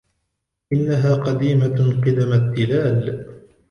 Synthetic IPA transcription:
ʔɪnːaɦaːqɑd̪iːmaqɨd̪amad̪ːɪlaːl

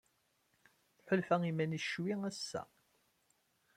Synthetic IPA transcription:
θħʊlfæimænəʃwiæsːæ̰

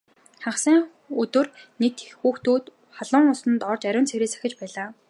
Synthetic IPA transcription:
χaχsæːŋ | ɵt̪ɵ̆rnek̚t̪xuːxt̪uːt̪ | χaɮʊ̆ːŋʊsə̆nt̪ɔrt͡ɕæɾʲʊ̆ːnt͡sʰeɾeːsḁxʲɪ̆t͡ɕpæːɮaː

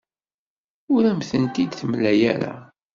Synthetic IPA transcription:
ʊɾæmθənt̪id̪θmlæjæɾa̰

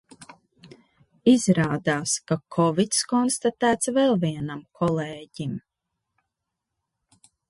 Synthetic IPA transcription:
izɾaːd̪aːskakʰɔvit̪skɔnst̪at̪æːt̪svɛlˠviɛnamkʰɔleːɟim

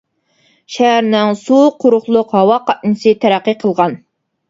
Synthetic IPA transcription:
ʃæɦæɾnɪŋsuqʰʊɾʊχlˠʊqɦɑwɑqʰɑt̪̚nɨsɨt̪ʰæɾæqːəqʰəlˠʁɑn

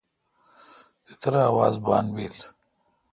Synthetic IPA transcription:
d̪et̪ɐɾaːwaːzba̰ːnbeːl

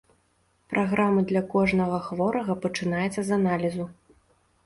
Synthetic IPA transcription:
pɾʔaɣɾamɨd̪lʲɐkɔʐnɐɣɐxvɔɾɐɣɐpɐt͡ʂɨnajɛt̪sːɐzanalʲizu

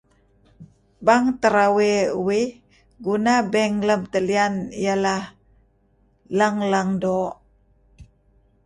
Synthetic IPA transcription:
baŋt̪əɾaweuwih | ɡunabɛŋləmt̪əlianijalah | laŋlaŋdo

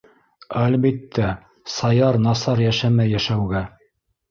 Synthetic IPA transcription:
ælbit̪ʰːæ | sɑjɑɾnɑsɑɾjæʃæmæjːæʃæwɡæ

